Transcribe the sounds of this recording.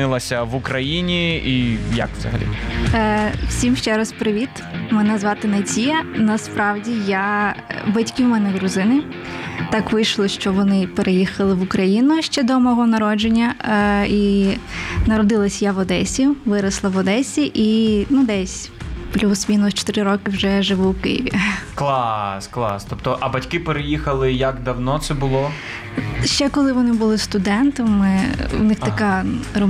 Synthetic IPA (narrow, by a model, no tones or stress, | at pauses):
ɪlˠɐsʲɐʋukɾɐjinʲiijɐ̰kʋz̥ɐ̰ɦɐ̰lʲḭ | wsʲimʃt͡ʃɛɾɐspɾɪʋʲit̪ | mɛnɛzʋɑt̪ɪnɐtʲijɐnɐspɾɑwdʲijabɐtʲkʲiwmɛnɛd̪ɾʊzɪnɪ | t̪ɑkʋɪjʃlˠɔʃt͡ʃɔʋɔnɪpeɾʔejixɐlˠɪʋʊkɾɐjinʊʃt͡ʃɛd̪ɔmɔɦɔnɐɾɔd͡ʒenʲːɐi | nɐɾɔd̪ɪlˠɐsʲjaʋɔd̪ɛsʲiʊʋɪɾɐslˠɐʋɔd̪ɛsʲiʔinud̪ɛsʲ | plʲusmʲinʊst͡ʃɔ̥t̪ɪɾɪɾɔkɪwʒɛʒɪʋuwkɪ̰jḭʋʲḭklˠɑsklˠɑ̰st̪ɔpt̪ɔʔɐbɐtʲkɪpeɾejixɐlˠɪjɐkd̪ɐwnɔt̪sɛbʊlˠɔ | ʃt͡ʃɛkɔlˠɪʋɔnɪbʊlˠɪst̪ʊd̪ɛnt̪ɔmmɪwnɪxɐkɑrɔ